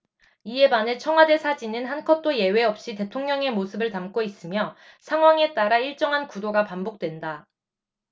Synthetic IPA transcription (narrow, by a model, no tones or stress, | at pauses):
ie̞banet͡ɕʰʌŋɦwade̞sʰad͡ʑinɯnɦankʰʌt͈oje̞we̞ʌp̚ɕ͈ite̞tʰoŋɲʌŋe̞mosʰɯbɯɭtamk͈ois͈ɯmjʌsʰaŋwaŋe̞t͈aɾaiɭt͡ɕ͈ʌŋɦankudoɡapambok̚t͈we̞nda